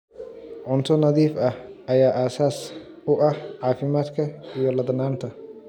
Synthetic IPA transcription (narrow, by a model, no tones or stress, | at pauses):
ʕʊnt̪ʰʊnɐðiːfɐhʔɐjaːʔaːsaːs | ʊʔɐhʕɑːfɪmaːd̪kʰɐijɔlɐðɐnaːnt̪ʰɐ